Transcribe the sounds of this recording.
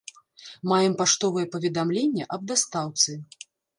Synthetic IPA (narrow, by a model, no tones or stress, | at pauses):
majɛmpaʂt̪ɔvɨjɛpɐvʲɛd̪amlʲenʲːɐʔɐb̚d̪ast̪awt̪sɨ